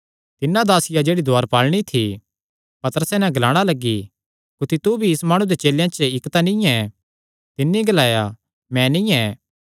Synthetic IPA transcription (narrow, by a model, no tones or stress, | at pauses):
t̪ɪnːãd̪aːsɪjad͡ʒeːɽid̪ʱaːɾpaːlɽ̃it̪ʰi | pɐt̪əɾəsɛnɛ̃ɡɐlaːɽ̃alɐɡːi | kʊt̪ʰit̪ubʱiɪsmaːɽ̃ũd̪et͡ʃeːljãt͡ʃəɪkt̪anĩɛ | t̪ɪnːiɡɐlaːja | mɛ̃nĩɛ